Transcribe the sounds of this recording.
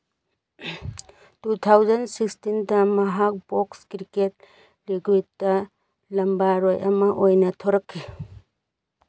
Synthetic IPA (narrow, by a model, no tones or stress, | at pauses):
tutʰawzɐnsikstindɐmɐɦak̚bokskɾiket̚ | liɡwit̚dɐ | lɐmbaɾojʔɐmɐʔojnɐtʰoɾɐkʰːi